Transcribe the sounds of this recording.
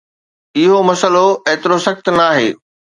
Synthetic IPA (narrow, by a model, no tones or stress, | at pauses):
ɪɦomɐsəloeːt̪ɪɾosɐxt̪naːɦeː